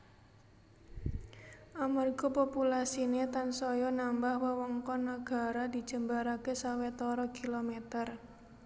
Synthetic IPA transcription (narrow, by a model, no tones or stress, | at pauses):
ʔamərɡɔpopulasinet̪ansɔjɔnambahwəwɔŋkɔnaɡ̥a̤ɾad̪i̤d̥ʒ̥ə̤mbaɾakesawet̪ɔɾɔkilomet̪ər